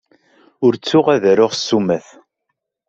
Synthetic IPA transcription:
ʊɾt͡sːʊʁæðɾʊʁsːumæθ

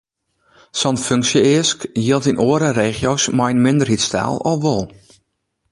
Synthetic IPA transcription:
sɔnføŋksjəɪəskjiəlˠtinʔoːəɾəreːxjoːsmajnmɪndərhitsta̰ːlˠɔ̰lˠʋolˠ

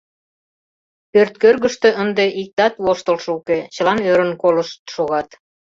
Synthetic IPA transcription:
pørt̪̚kørɣəʃt̪ø̆ʔənd̪eʔik̚t̪ɑt̪woʃt̪əlʃuket͡ɕəlɑnøɾə̆nkoləʃt̪ʃoɣɑt̪

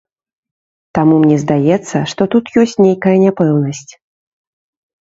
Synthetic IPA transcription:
t̪amumnʲɛzd̪ajɛt̪sːɐʂt̪ɔt̪ut̪jɔsʲt͡sʲnʲejkɐjɐnʲapɛwnɐsʲt͡sʲ

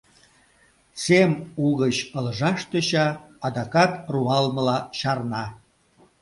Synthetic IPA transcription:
semuɣət͡ɕəlʒɑʃt̪əɕɑːd̪ɑkɑt̪ruɑlmə̆lɑɕɑrnɑ

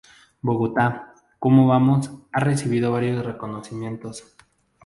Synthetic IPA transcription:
boɣot̪a | komoβamo̞sare̞siβ̞iðo̞βaɾjo̞sre̞konosimje̞nt̪o̞s

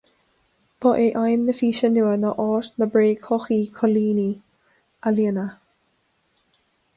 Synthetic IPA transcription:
b̥ɔʔeʔajmnəfiːʃənuwənɔʔɔːtnəbɾeːkʰɔxiːkʰɔliːni | aliənə

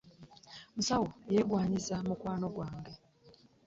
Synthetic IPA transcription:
musawoejeɡwaːɲizamukwaːno̞ɡwaːŋɡe̞

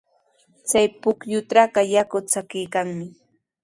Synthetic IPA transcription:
t͡sajpʊkjʊt̪aɢɑjakʊt͡sakɪjkaŋmɪ

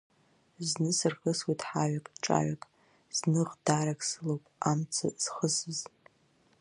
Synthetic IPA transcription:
znɨsɨrxəswitʼħaɥakʼʈ͡ʂʼa̰ʕakʼ | z̥nɨʁdaɾakʰʼsɨlowpʼamt͡sʰa̰z̥χəsɨz

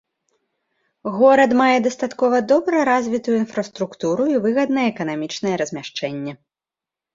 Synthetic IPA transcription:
ɣɔɾɐt̪majɛd̪ɐst̪at̪kɔvɐd̪ɔbɾɐɾazʲvʲit̪ujuinfɾɐst̪ɾukt̪uɾuivɨɣɐd̪nɐjɛɛkɐnamʲit͡ʂnɐjɛɾɐzʲmʲaʂt͡ʂɛnʲːɛ

